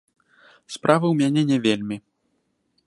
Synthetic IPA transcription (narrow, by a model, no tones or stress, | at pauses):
spɾavɨwmʲanʲɛnʲɛvʲelʲmʲi